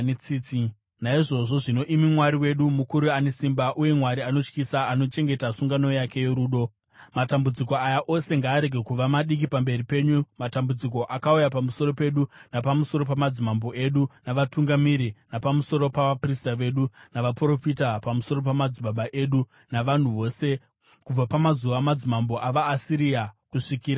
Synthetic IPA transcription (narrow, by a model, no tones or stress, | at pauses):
t͡sit͡si | naiʐo̞ʐo̞ʐino̞ʔimimwaɾiwe̞ɗumukuɾuane̞simbaʔuje̞mwaɾiano̞t͡ʃkisaano̞t͡ʃe̞ŋɡe̞tasuŋɡano̞jake̞je̞ɾuːɗo̞ | matambud͡ziko̞ajaʔo̞se̞ŋɡaːɾe̞ɡʱe̞kuʋamaɗik̬ipambe̞ripe̞ɲumatambud͡ziko̞ʔakaujapamuso̞ɾo̞pe̞ɗunapamuso̞ɾo̞pamad͡zimambo̞ʔe̞ɗunaʋatuŋɡamiɾinapamuso̞ɾo̞paʋapristaʋe̞ɗunaʋapro̞fitapamuso̞ɾo̞p̬amad͡ziɓaɓaʔe̞ɗu | naʋan̤uʋo̞ːse̞ | kub͡vapamazuʋamad͡zimambo̞ʔaʋaːsiɾiakuʂikiːɾa